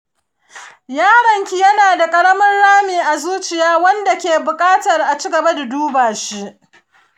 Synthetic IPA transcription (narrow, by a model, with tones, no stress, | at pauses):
jaː˦ɽɐ˨ŋkʲi˨jɐ˦naː˨da˨kʼɐ˦ɽɐ˦mɐ˦nɽaː˦miː˨ʔa˨zuː˦t͡ʃɪ˨jaː˦wɐ˦nda˨kʲeː˨bʊ˨kʼaː˦tɐ˨rʔa˨t͡ʃiː˦ɡɐ˨ba˦da˨duː˦baː˨ʃi˦ʔ